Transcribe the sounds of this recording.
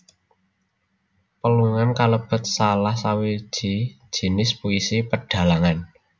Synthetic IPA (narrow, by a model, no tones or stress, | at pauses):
pəluŋankaləb̥ə̤t̪̚salahsawi̥ʒ̥i̤̥ | ʒ̥i̤nɪspuisipəɖ̥a̤laŋan